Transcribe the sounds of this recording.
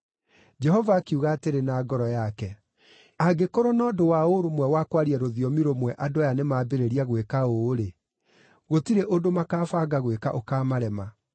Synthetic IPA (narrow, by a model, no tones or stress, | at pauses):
d͡ʒɛɦɔvaːkiuɣaːteɾenaːɡɔɾɔjakɛ | aɡekoɾonɔːdowaoɾomwɛwakwaɾiɛɾoðiɔmiɾomwɛʔadoajanemaːbeɾeɾiaɣwekaoɾe | ɣotiɾeʔodomakaːfaɡaɣwekaʔokaːmaɾɛma